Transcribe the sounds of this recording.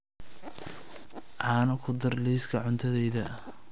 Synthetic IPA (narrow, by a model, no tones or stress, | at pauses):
ʕɑːnɐkʰʊd̪ɐrliːskʰɐʕʊnt̪ʰɐðɛjðɐ